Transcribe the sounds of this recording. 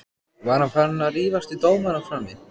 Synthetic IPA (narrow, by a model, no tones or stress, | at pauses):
vaɾ̥hanfaɾnːariːvast̪it̪oːwmanafɾamːɪ